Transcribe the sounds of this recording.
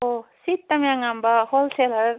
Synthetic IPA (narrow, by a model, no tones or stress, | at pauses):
osit̪ːɐmiaŋambaholselɐɾ